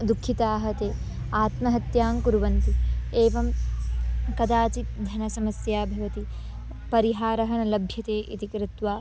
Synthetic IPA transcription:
d̪ukʰːit̪aːɦɐt̪eː | aːt̪mɐɦɐt̪jaːmkuɾuʋɐnt̪ieːʋɐm | kɐd̪aːt͡ʃit̪d̪ʱɐnɐsɐmɐsjaːbʱɐʋɐt̪i | pɐɾiɦaːɾɐɦɐnɐlɐbʱjɐt̪eːʔit̪ikɾɪt̪ʋaː

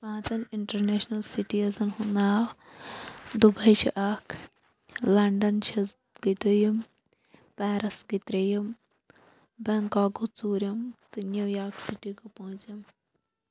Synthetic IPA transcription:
paːt̪ɐniɳʈɐɾneːʃnɐlsiʈiɐzɐnhund̪aːw | d̪ubɐjt͡ʃʰḭʔaːkʰ | lɐɳɖɐnt͡ʃʰɐ | ɡ̥it̪ojim | pɛːɾɐsɡit̪ɾɐjɐm | bɐŋkaːɡut͡suːɾʲɐmt̪ɨnjuwjaːksiʈikopoɦt͡sim

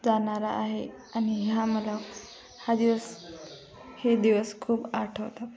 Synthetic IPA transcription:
d͡zaɳaɾaʔːɦe | añiɦjaməla | had̪iʋəs | hed̪iʋəskʰuːbaɾʈʰəʋt̪a

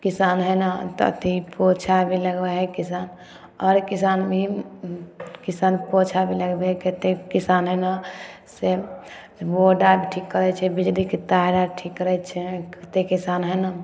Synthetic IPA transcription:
kisanɦənat̪ɔ̰t̪ipot͡ʃʰabʱiləɡbɛɦɛkisan | ɔɾkisanbʱi | kisanpot͡ʃʰabʱiləɡbeket̪ekisanɦəna | se | boɖabʱiʈʰikːəɾɛt͡ʃʰɛbid͡ʒliket̪aɾaʈʰikːəɾɛt͡ʃʰɛket̪ekisanɦəna

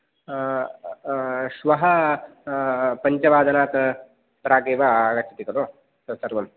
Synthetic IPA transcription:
ʃʋɐɦɐ | pɐɲt͡ʃɐʋaːd̪ɐnaːt̪ | pɾaːɡeːʋaaːɡɐt͡ʃʰɐt̪ikɐɾoː | sɐsɐɾʋɐm

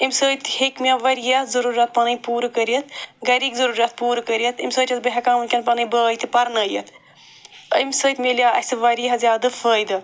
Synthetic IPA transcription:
imʲsəːjt̪ʲhekmiaːʋɐɾijɐɦzɐɾuːɾʲjat̪̚pɐnɐjpuːɾɨkəɾijɐt̪̚ɡɐɾiːɡzɐɾuːɾʲjat̪̚puːɾɨkəɾijɐt̪ʰimʲsəːt͡ʃʲʰɐt̪bɐɦɐkaːmunkʲɐnpɐnɐbəːjt̪ipɐɾnɐːjɐt̪ʰ | əimʲsəːt̪melijaɐ̰sɨʋɐɾijɐɦɐzʲjaːd̪ɐfəːjd̪ɨ

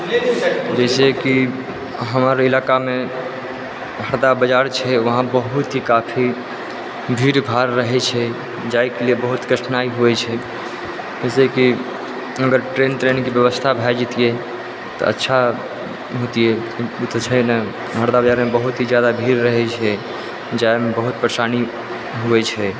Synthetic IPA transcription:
d͡ʒɛɪseki | ɦəmɾilakame | ɦəɾd̪abəd͡ʒaɾt͡ʃʰɛʋəɦãbəɦut̪ɦikapʰi | bʱiɾbʱaɾːəɦɛt͡ʃʰɛ | d͡ʒaikeliebəɦut̪ɡɾəʈʰnaiɦuɛt͡ʃʰɛ | d͡ʒɛseki | əɡəɾʈɾenʈɾenkibjəβəst̪ʰabʱɛd͡ʒit̪ije | t̪ɔ̰ə̰tːʃʰa | ɦot̪iɛkiut̪t͡ʃʰənə | ɦəɾd̪abəd͡ʒaɾmebəɦut̪ɦid͡ʒjad̪abʱiɾɾəɦɛt͡ʃʰɛ | d͡ʒaemebəɦut̪̚pɾəsani | ɦuɛt͡ʃʰɛ

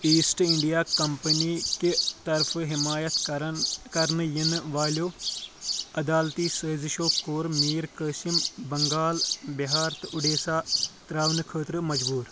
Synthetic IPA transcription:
iːsʈɪɳɖijaːkəmpəniːket̪ɐɾfʰɦɪmaːjət̪kɐɾnjənʋaːljoː | ɐd̪aːlt̪iːsəːzɪʃoːkoːɾmiːɾkəːʃɪmbəŋɡaːlbɪɦaːɾt̪ʔʊɖeːsaːt̪ɾaːʋənkʰəːt̪ɾmɐd͡ʒbuːɾ

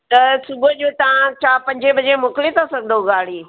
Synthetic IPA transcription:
t̪ɐsʊbəd͡ʑoːt̪ɐãt͡ɕʰaːpɐ̃ɲd͡ʑebɐd͡ʑemʊkɪlet̪ʰasɐɡʱənd̪oɡaːɽ̤iː

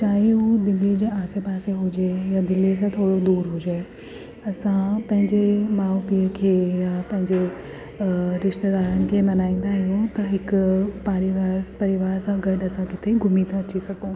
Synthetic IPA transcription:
t͡ɕaːɦeud̪ɪled͡ʑeaːsepaːseɦʊd͡ʑejad̪ɪlis̬ãt̪ʰoːɽod̪uːɾɦʊd͡ʑeː | ɐsãpɐ̃ɦɪ̃ɲd͡ʑemaːupiəkʰeːjapɐ̃ɦɪ̃ɲd͡ʑe | ɾɪʃt̪ed̪aːɾənɪ̆kʰemɐnaːĩːnd̪aɦɪjõt̪ɐɦɪkpaːɾɪʋaːɾpɐɾɪʋaːɾsãɡɐɖɐsãkɪt̪ʰeɡʱʊmit̪ʰãɐt͡ɕisɐɡõː

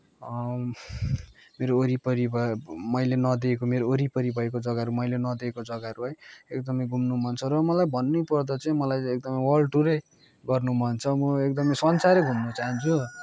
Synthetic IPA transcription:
ʌ | meɾooɾipʌɾibʱʌmʌjlenʌd̪iekomeɾooɾipʌɾibʱʌekod͡zʌɡaɾumʌjlenʌd̪eekod͡zʌɡaɾuɦʌjek̚d̪ʌmʌjɡʱumnumʱʌnt͡sʰʌɾʌmʌlajbʱʌnːupʌrd̪ʌt͡sʌĩmʌlajek̚d̪ʌmʌjwʌlʈuɾe | ɡʌrnumʱʌnt͡sʰʌmʌekd̪ʌmʌjsʌnsaɾʌɡʱumnut͡saɦʌnt͡sʰu

